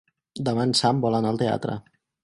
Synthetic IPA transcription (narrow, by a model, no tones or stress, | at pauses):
d̪əβansambɔlənaəlˠt̪ea̰t̪ɾə̰